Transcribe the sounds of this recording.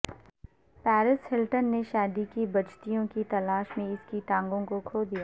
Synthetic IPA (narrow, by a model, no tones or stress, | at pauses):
pɛːɾɪshɪlʈənːeʃaːd̪ikibɐt͡ʃt̪ijõkit̪ɐlaːʃmẽɪskiʈãːŋɡõkokʰoːd̪ijaː